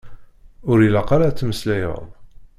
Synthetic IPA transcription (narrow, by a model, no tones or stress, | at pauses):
ʊɾilɑqaɾat͡sːməslæjə̰ðˤ